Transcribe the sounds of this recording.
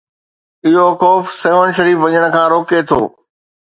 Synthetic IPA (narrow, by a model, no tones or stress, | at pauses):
ɪɦoxɔːfsɐʋənʃɐɾiːfʋɐɲəɽ̃ə̆kʰãːɾoːket̪ʰo̰ː